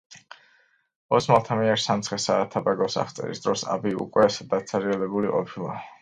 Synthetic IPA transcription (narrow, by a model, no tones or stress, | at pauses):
ɔsmalˠt̪ʰamiɛɾsamt̪sʰχɛsaːt̪ʰabaɡɔsa̰χt̪sʼɛ̰ɾḭsd̪ɾɔsa̰biṵkʼwɛsd̪ad̪sʰaɾialɛbuliqʼɔpʰilˠa